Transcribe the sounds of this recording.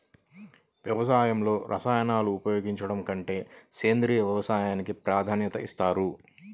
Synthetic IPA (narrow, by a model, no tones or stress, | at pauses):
ʋjɐʋɐsaːjɐmlo̞ːɾʔɐ̰saːjɐnaːluːpɐjo̞ːɡiɲt͡ʃɐɽɐmkɐɳʈe̞ːseːnd̪ɾiːʋjɛʋɐsaːjaːnikipɾaːd̪ʱaːnjɐt̪ɐist̪aːɾu